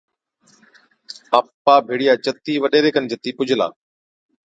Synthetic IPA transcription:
apːaːbʱeːɽijaːt͡ʃət̪iːʋəɗeːɾeːkənt͡ʃət̪iːpʊd͡ʒʱɪla̰ː

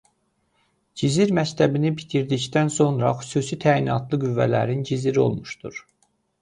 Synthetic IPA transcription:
d͡ʒiziɾmæct̪ʰæbinibit̪ʰiɾd̪içd̪ænso̞nɾɑ̰xy̥suːsit̪ʰæːinɑt̪ʰlˠɯɡyvːæ̰læ̰ɾind͡ʒiziɾio̞̰lˠmuʃd̪̥ṵɾ

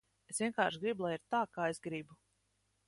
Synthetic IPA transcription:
esvʲiɛnkaːɾʃɡɾibulˠajiɾt̪aːkaːesɡɾibu

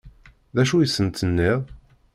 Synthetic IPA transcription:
ðæʃujəsːənt̪ənːɪðˤ

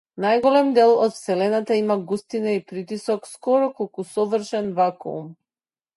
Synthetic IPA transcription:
najɡɔlɛmd̪ɛlˠɔt̪fsɛlɛnat̪aimaɡust̪inaipɾit̪isɔkskɔɾɔkɔlˠkusɔvr̩ʃɛnvakṵṵm

